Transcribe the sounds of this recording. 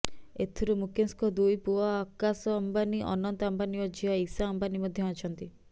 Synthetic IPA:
et̪ʰiɾumukenskɔd̪ujpuaːkasɔambaniʔɔ̰nɔnt̪ɔambaniɔd͡ʒiaisaːmbanimɔd̪ʱjɔɔt͡ʃʰɔnt̪i

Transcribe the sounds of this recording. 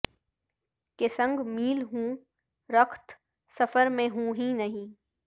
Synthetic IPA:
kesə̃ŋɡmiːlɦũː | ɾəkʰt̪ | sɐfəɾmẽɦũːɦĩnɐɦĩː

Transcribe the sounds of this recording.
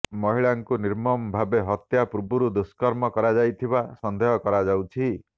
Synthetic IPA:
mɔɦiɭaŋkuniɾmɔmbʱabeɦɔt̪japuɾbuɾud̪uskɔɾmɔkɔɾad͡ʒajt̪ʰibasɔnd̪ʱeɦɔkɔɾad͡ʒawt͡ʃʰi

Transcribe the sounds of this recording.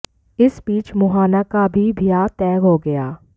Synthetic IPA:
ɪsbiːt͡ʃmʊɦaːnakabʱibʱijat̪ɛːɡɦoːɡɐjaː

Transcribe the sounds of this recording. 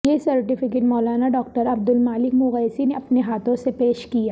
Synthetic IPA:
jesɐɾʈɪfɪk̬eʈmɔːlaːnaɖɔːk̚ʈəɾɐb̚d̪ʊlmaːlɪkmʊɣəːsineɐpneɦaːt̪ʰõsepeːʃkijaː

